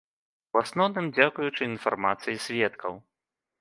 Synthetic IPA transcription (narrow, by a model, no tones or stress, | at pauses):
uasnɔwnɨmd͡zʲakujut͡ʂɨinfarmat̪sɨjisʲvʲɛt̪kʰɐ̰w